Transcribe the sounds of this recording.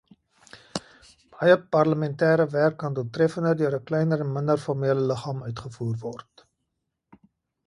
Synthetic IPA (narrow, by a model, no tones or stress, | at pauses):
b̥ɐjəpɐrləmɛntɛːɾəværkːɑnduətrɛfəndərdøəɾəklɛjnəɾɛnməndərfɔrmiələləχɑːmœɥtχəfuːrvɔrt